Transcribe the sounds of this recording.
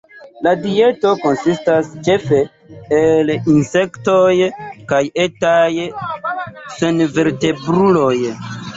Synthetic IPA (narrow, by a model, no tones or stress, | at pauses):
ladie̞to̞ko̞nsistast͡ʃe̞fe̞ː | linse̞ktojkajetaj | senve̞ɾte̞bɾulo̞j